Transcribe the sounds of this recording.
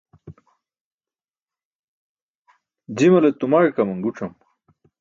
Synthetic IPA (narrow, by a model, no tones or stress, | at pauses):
d͡ʑimɐlet̪umaɻkɐmɐŋɡuʈ͡ʂɐm